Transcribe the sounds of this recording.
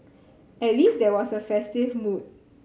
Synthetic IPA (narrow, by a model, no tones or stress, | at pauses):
ɛt̚lisdɛwɔsəfɛstivmud̚